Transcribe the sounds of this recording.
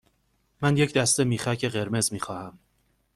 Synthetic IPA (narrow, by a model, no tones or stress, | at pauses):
mænje̞cd̪æst̪e̞miːxæcʰe̞ɣe̞ɾme̞zmiːxɒːhæm